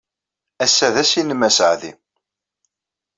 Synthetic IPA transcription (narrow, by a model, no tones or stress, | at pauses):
æsːæðæsinmæsʕðḭ